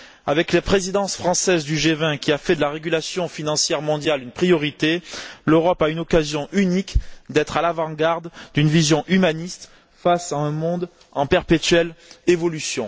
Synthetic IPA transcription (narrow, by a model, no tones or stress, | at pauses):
avɛklepχezid̪ɑ̃sfχɑ̃sɛzd̪yʒevɛ̃kʲiafɛd̪əlaʁeɡylasjɔ̃finɑ̃sjɛʁmɔ̃d̪jalynpχijɔʁit̪eløʁɔpaynɔkazjɔ̃ʔynikd̪ɛt̪χalavɑ̃ɡaʁd̪d̪ynvizjɔ̃ʔymanist̪ | fasaɛ̃mɔ̃d̪ | ɑ̃pɛʁpet̪ɥɛlevɔlysjɔ̃